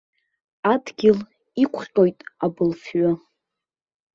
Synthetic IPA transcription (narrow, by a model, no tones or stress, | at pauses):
adɡʲɪl | ikʷʰʼχʲqʼojtʼabɨlfɥʊ